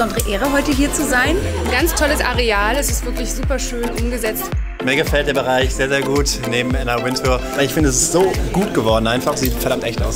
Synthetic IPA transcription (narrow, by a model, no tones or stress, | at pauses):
zɔndəʁəʔeːʁəɦɔʏtəɦiːɐt͡suzaɪn | nɡant͡stʰɔləsʔa̰ʁeaːlɛsɪstv̥ɪɐklɪçz̥uːpɐʃøːnʔʊmɡəzɛt͡st | miːɐɡəfɛlt̚d̥eːɐbəʁaɪçz̥eːɐzeːɐɡuːtneːbm̩ɛnɐwɪntʰuɐvaɪlɪçfɪndəɛs̬ɪstz̥oːɡ̥uːtɡ̥əvɔɐdn̩aɪnfaχsz̥iːtfɛɐɾamtʔɛçta̰ʊs